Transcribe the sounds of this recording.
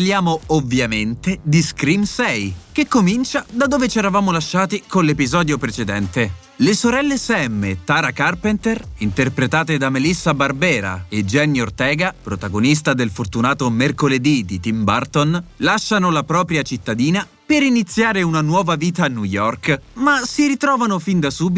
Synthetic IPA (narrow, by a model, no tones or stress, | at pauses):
lːjaːmoovːjament̪ed̪iskɾimsɛjkekːomint͡ʃad̪ad̪ːoːvet͡ʃɛːɾavaːmolaʃːaːt̪ikonlːepizɔːd̪jopɾet͡ʃed̪ɛnt̪e | lesoɾɛlːesɛmːet̪aːɾakarpent̪erint̪erpɾet̪aːt̪ed̪amelisːabarbɛːɾa̰ed͡ʒɛnjort̪ɛːɡapɾot̪aɡonis̬t̪ad̪elfort̪unaːt̪omerkoled̪id̪it̪imbart̪onlaʃːanolapɾɔːpɾjat͡ʃit̪ːad̪iːna | peɾinit̪sːjaːɾeunanwɔːvaviːt̪aːnːujɔrkmasiɾit̪ɾɔːvanofind̪asuːbi